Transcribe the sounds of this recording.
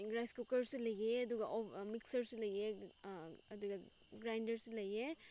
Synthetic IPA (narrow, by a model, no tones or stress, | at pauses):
ɡɾajskukɐɾsulɐjeɐd̪uɡɐʔomiksɐɾsulɐje | ɐd̪uɡɐ | ɡɾajndɐɾsulɐje